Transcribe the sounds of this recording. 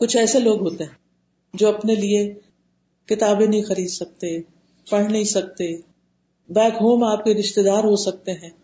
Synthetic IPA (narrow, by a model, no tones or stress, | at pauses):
kʊt͡ʃʰɛːseloːɡɦoːt̪eɦɛ̃ | d͡ʒoːɐpnelie | kɪt̪aːbẽnɐɦĩxɐɾiːd̪sɐk̚t̪e | pɐɽ̤nɐɦĩsɐk̚t̪e | bɛːkɦoːmaːp̚keɾɪʃt̪ed̪aːɾɦosɐk̚t̪eɦɛ̃ː